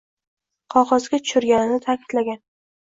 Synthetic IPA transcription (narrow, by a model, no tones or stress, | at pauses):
qʰɒqɒzɡʲat̪ʰʊ̥ʃʊɾɡʲanɪnɪt̪ʰakʲʰɪ̥d̪̥laɡʲan